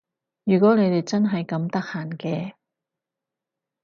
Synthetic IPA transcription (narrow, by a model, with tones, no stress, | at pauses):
jyː˨˩kʷɔː˨˥ne˨˧jt̪e˨jt͡sɐ˥nɦɐ˨jkɐ˨˧˥mt̪ɐ˥k̚haː˨˩nkɛː˧